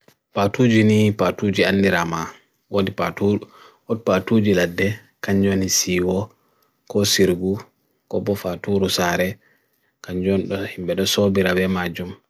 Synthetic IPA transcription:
patud͡ʒinipatud͡ʒianːdiɾama | wodipa̰tuu | ɔt̚patud͡ʒiladːɛ | kaɲd͡ʒonisiːwɔ | kɔsiɾɡu | kɔbɔfatuɾusaɾɛ | kaɲd͡ʒɔnɗɔhimɓɛɗɔsobiɾabɛmad͡ʒum

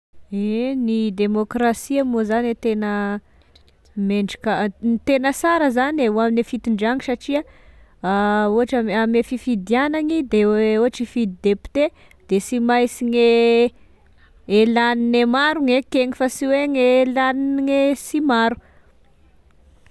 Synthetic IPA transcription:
enid̪emokrasiamozanet̪enə | meɳɖ͡ʐikait̪enəsaɾəzaneuaminefit̪iɳɖ͡ʐaŋisaʈ͡ʂiaaoaʈ͡ʂamamefifid̪ianaŋid̪eoɦaʈ͡ʂifid̪id̪epi̥t̪e | d̪̥esimajsiɲe | elaninemaɾuŋekeŋifasiweŋelaniniŋesimaɾu̥

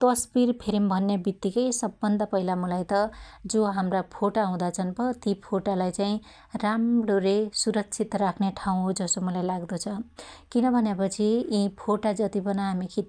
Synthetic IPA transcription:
t̪ʌsbirpʰiɾimbʱʌnːebit̪ːikʌjsʌbːʌnd̪apʌɦilamʌlajt̪ʌd͡zoɦamrapʰoʈaɦũd̪at͡sʰʌnbʌt̪ipʰoʈalajt͡saĩ | ramɽoɾesuɾʌkt͡sʰit̪rakʰneʈʰaw̃ɦod͡zʌsomʌlajlaɡd̪ut͡sʰʌkinʌbʱʌnjepʌt͡sʰiĩpʰoʈad͡zʌt̪ibʌnaɦamikʰit̪

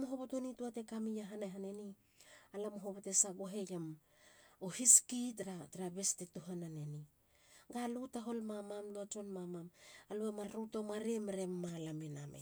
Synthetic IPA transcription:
moɦoβotonituate̞kamijaɦanajɦaneni | alamoɦoβate̞saɡoɦejam | ohiskitɾatɾabe̞stetuɦanane̞ni | ɡalutaɦo̞lmamamluat͡ʃonmamamaluemaɾutomaɾemeɾe̞mːalamenamḛ

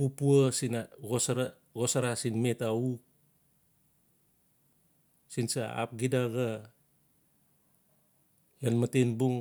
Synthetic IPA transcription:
pupuasinaɡosaɾa | ɡosaɾasinmetauk̚ | sinsaa̰p̚ɡidaɡa | janmatenbuŋ

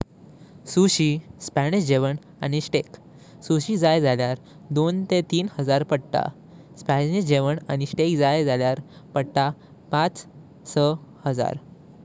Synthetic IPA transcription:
suɕiːspæɽiɕd͡ʑeʋəɳ | a̰ɽ̃iɕʈek | suɕiːd͡zajd͡zaljaɾ | d̪ont̪et̪iːnhəd͡zaɾpəɽʈa̰ | spæiɕd͡ʑeʋəɳaɽ̃iɕʈekd͡zajd͡zaljaɾpəɽʈ̪a | pat͡s | səhəd͡za̰ɾ

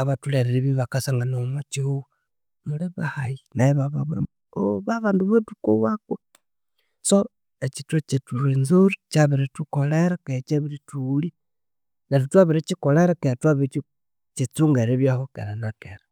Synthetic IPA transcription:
aβatuleɾeɾiβiβakasaŋɡanomat͡ʃiu | muleβahajinajeβaβaβuɾa | oβaβaːnduβetukowakwe | so | et͡ʃitot͡ʃetuɾenzoɾit͡ʃaβiɾetukoleɾaket͡ʃeβiɾituli | natutwaβiɾet͡ʃikoleɾaketwaβit͡ʃi | t͡ʃit͡suŋɡeɾeβjahokḛɾanakeɾa

